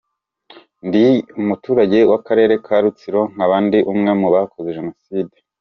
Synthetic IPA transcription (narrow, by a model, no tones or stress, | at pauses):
ndiumutuːɾaɟewakaɾe̞ːɾe̞kʰaɾut͡siɾo̞ŋ̥aβaːndiʔumŋe̞muβakʰozeʒenosiːde